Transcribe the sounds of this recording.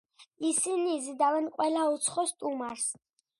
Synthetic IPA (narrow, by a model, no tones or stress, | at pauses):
isinizd̪avɛnqʼwɛlaut̪sʰχɔst̪ʼumaɾs